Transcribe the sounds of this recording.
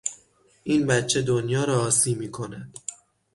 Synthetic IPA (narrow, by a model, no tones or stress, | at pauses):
ʔiːnbæt̪t͡ʃʰe̞d̪onjɒːɾɒːsiːmiːkʰo̞næd̪̥